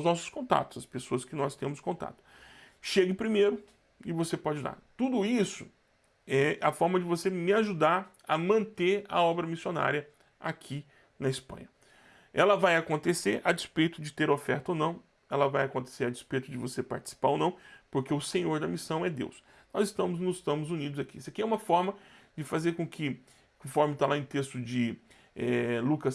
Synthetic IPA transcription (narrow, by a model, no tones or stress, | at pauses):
wznɔsʊ̥skõnt̪a̰t̪ʊ̥z̥ɐspesoɐskɪnɔst̪ẽmʊskõt̪a̰t̪ʊ̥ʃeɡɪpɾimejɾʊ | ɪvosepɔd͡ʒɪd̪a̰ɾt̪ud̪ʊisʊ | ɛɐfɔɾmɐd͡ʒɪvosemɪaʒud̪aɾ | ɐmɐ̃nt̪eɾɐ̰ɔbɾɐmisiona̰ɾiɐ | a̰kʰi | nɐispɐ̰̃ɲɐ | ɛlɐvajakõnt̪eseɾʔad͡ʒɪspejt̪ʊd͡ʒɪt̪eɾofɛɾt̪ɐonɐ̃w̃ | ɛlɐvajakõnt̪e̥seɾad͡ʒɪspejt̪ʊd͡ʒɪvosepa̰ɾt͡ʃɪ̥si̥paɾonɐ̃w̃poɾkeʊsẽɲoɾd̪ɐmisɐ̃w̃ɛd̪ḛws | nɔzɪst̪ɐ̃mʊznʊzɪst̪ɐ̃mʊzunid̪ʊzakisɐkiɛũmɐfɔɾmɐd͡ʒɪfazeɾkõkʰɪ | kõfɔɾmɪt̪alaẽt̪est̪ʊd͡ʒɪ | ɛlukɐs